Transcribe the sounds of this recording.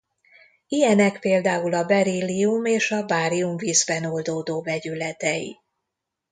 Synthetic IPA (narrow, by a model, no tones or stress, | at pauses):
ijɛnɛkpeːld̪aːulɒbɛɾiːliumeːʃɒbaːɾiuɱviːzbɛno̞ld̪oːd̪oːvɛɟylɛt̪ɛjḭ